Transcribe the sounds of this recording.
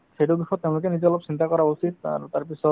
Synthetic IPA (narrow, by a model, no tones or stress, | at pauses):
seʈobixʰɔt̪ːeʊ̃lokenid͡ʑɔlɔb̚t͡ɕint̪akɔɾausid̪a̰ɾt̪aɾpisɔ